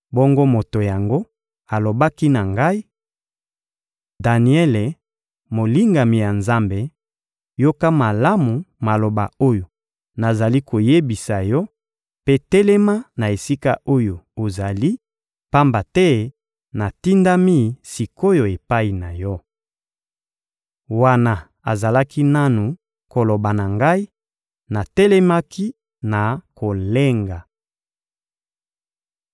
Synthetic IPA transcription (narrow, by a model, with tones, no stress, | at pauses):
bɔ˦ŋɡo˦mo˨to˨ja˨ŋɡo˦ | a˨lo˨ba˦ki˦na˨ŋɡa˦i˦ | da˨ni˨˦ɛ˦le˨ | mo˨li˦ŋɡa˨mi˨ja˨nza˦mbe˨ | jo˦ka˦ma˨la˦mu˨ma˨lo˨ba̰˨o˦jo˨ | na˨za˨li˦ko˨je˦bi˨sa˨jɔ˦ | pe˦tɛ˦le˦ma˦na˨e˨si˦ka˦ʔo˦jo˨o˨za˨li˦ | pa˦mba˨tɛ˦ | na˨ti˦nda˦mi˦si˨ko˦jo˨e˨pa˦i˨na˨jɔ˦ | wa˦na˨ | a˨za˨la˦ki˦na˦nu˨ | ko˨lo˨ba˨na˨ŋɡa˦i˦ | na˨tɛ˦lɛ˦ma˦ki˦ | na˨ko˨le˦ŋɡa˨